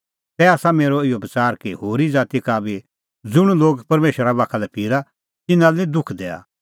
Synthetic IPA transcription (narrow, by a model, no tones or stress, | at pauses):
t̪ɛaːsameːɾoɪjobɐt͡saːɾkiɦoːɾid͡zaːt̪ikaːbi | d͡zʊɽ̃uloːɡpɐɾmeːʃəɾabaːkʰalɛpʰiːɾa | t̪ɪnãlnĩd̪ʊkʰd̪ɛːa̰